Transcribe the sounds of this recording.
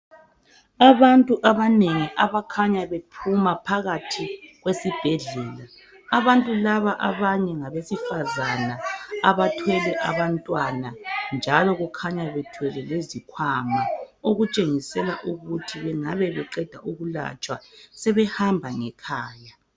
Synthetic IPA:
aβantʼuʔaβaneŋiʔaβakʰaɲaβepʰumapʰaɣatʰiɣwesib̥ʱɛɮɛːlaː | βantʼulaβaʔaβaɲɛŋaβesifazanaaβatʰwɛlɛʔaβantʼwanand͡ʒʱalɔɣukʰaɲaβɛtʰwɛlɛlezikʰwamaoɣut͡ʃʼeŋisɛlaʔuɣutʰiβɛŋaβɛβɛǃɛd̥ʱa̰ʔuɣula̰t͡ʃʼwasɛβɛhambʱaŋɛkʰaːja

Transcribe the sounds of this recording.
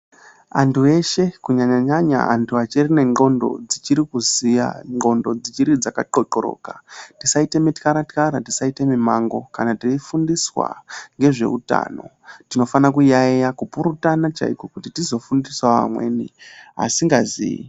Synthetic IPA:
antʰue̞ʃe̞kuɲaɲaɲaɲa̰antʰuat͡ʃerine̞ŋo̞ndo̞̰d͡zit͡ʃiɾikuzija̰ŋɡo̞ndo̞d͡zit͡ʃiɾid͡zakaǃoǃoɾo̞̰ːka̰tisaitemitkaɾatkaɾatisaite̞mimaŋɡo̞kanatiifundiswa̰ŋɡe̞ʐe̞̰ṵta̰ːno̞̰ | tino̞fanakujajakupuɾutanat͡ʃa̰ikokutitizo̞fundiswaʋa̰mwe̞̰ːnia̰siŋɡazḭḭ

